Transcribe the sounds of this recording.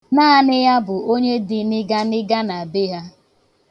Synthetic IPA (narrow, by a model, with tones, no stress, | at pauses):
naː˦˨nɪ˦ja˦bʊ˨o˦ɲe˦dɪ˦nɪ˦ɡa˦nɪ˦ɡa˦na˨be˦ɦa˦